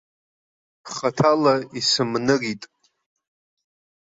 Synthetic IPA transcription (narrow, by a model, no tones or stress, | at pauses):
χatʰalaisɨmnɨritʼ